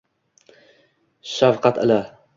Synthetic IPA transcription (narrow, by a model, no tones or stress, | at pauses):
ʃafqɑt̪ɪ̰la